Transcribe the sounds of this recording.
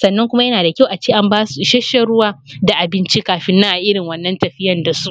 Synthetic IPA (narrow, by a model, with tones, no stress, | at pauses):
sɐ˨nːɐ˦ŋkʷʊ˦ma˦jɐ˦naː˨da˨kʲa˦˨wʔa˨t͡ʃeː˦ʔa˦mbaː˦su˨ʃɐ˦ʃe˨ɽʊ˦waː˦da˨ʔa˨bɪ˦nt͡ʃi˦kaː˨ɸɪ˦nːa˦ʔa˨ʔɪ˦ɽɪ˨ŋwɐ˦nːɐ˦ntɐ˨ɸɪ˦jɐ˨nda˨su˦ʔ